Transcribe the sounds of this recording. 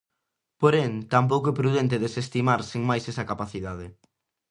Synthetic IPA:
poɾɛnt̪amp̬owkʊɛpɾuðɛnt̪ɪðesest̪imaɾsiŋmajsɛsɐkapaθiðað̞ɪ

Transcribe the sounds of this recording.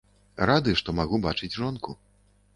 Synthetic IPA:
ɾad̪ɨʂt̪ɔmaɣubat͡ʂɨd͡zʲʐɔnku

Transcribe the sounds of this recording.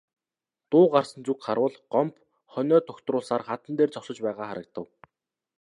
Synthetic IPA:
t̪ʊːɢarsə̆nt͡sukχaɾwə̆ɮɢɔmp | χœnʲɔːt̪ʰɔkt̪rʊːɮsaːrχat̪ə̆nt̪eːrt͡sɔsə̆t͡ɕpæːʁaːχa̰ɾə̆k̚t̪ə̆w

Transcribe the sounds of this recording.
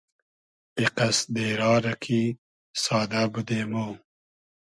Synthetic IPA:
iqasd̪eːɾɑːɾɐkʰi | sɑːd̪abud̪eːmo

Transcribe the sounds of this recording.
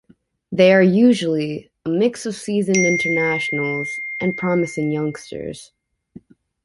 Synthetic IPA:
ðeɪə˞jʉʒl̩ˠi | əmɪksʌv̥sizɨ̃nɪ̃ntʰə˞næʃn̩l̩ˠz̥ʔɨ̃npʰɹ̥ɑmɨsɪ̃ŋjʌ̃ŋkstə̰˞z̥

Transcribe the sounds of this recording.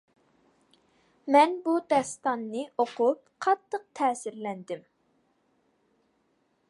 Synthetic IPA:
mɛnbud̪ɛst̪ɑnːɨʔoqʰup̚ | qʰɑt̪ʰːəq̚t̪ʰɛːsɪɾlɛnd̪ɪm

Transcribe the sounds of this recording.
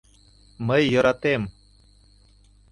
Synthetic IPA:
məjːəɾɑt̪em

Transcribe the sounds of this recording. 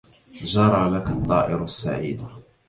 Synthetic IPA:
d͡ʒɑɾˤɑlakat̪ˤːɑ̰ːʔɪɾasːa̰ʕḭːd̪a

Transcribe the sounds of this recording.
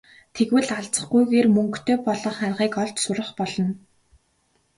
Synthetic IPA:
t̪ʰeɣwɘ̆ɮaɮt͡sə̥̆χɡujɣeːrmɵŋkt̪ʰeːpɔɮɞ̆χarʁiːkɔɮt͡ɕsʊɾə̆χpɔɮɞ̆n

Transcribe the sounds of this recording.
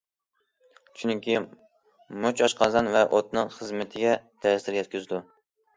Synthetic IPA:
ʃʰynɪŋkʲi | mot͡ʃɑʃqʰɑzɑnvɛʔot̪̚nɨŋχəzmɪt̪ʰɪɡʲɛt̪ʰɛst̪ɪɾjɛt̪̚kʲyzd̪u

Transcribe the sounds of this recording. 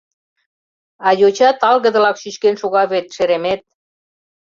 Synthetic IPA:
ɑjot͡ɕɑt̪ɑlɣə̆d̪ə̆lɑkʃyt͡ɕkenʃuɣɑβet̪ʃeɾemet̪̚

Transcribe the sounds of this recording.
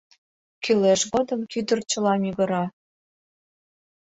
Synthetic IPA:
kyleʃɣod̪əmkyd̪ərt͡ɕə̆lɑmyɣə̆ɾɑ

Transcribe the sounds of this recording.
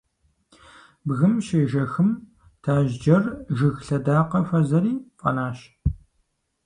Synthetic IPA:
bɣɨmʃeːʒɐxɨm | tʰaːʒd͡ʒɐrʒɨxɬɐdaːqɐfɐzɐɾiːfʼɐ̰naːɕ

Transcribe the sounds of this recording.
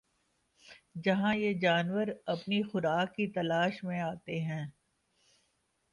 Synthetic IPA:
d͡ʒɐɦãjed͡ʒaːnwəɾɐpnixʊɾaːkːit̪ɐlaːʃmẽaːt̪eɦɛ̃ː

